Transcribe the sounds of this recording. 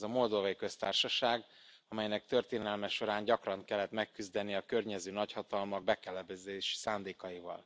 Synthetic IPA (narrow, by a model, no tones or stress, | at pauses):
ɛzɒmo̞ld̪ovɒjikø̞st̪aːrʃɒʃaːɡ | ɒmɛjnɛk̚t̪ø̞rt̪eːnɛlmɛʃo̞ɾaːɲɟɒkrɒŋkɛlːɛt̪mɛkːyzd̪ɛnːiɒkø̞rɲɛzøːnɒchɒt̪ɒlmɒɡ̚bɛkɛlɛbɛzeːʃsaːnd̪eːkɒjivɒ̰l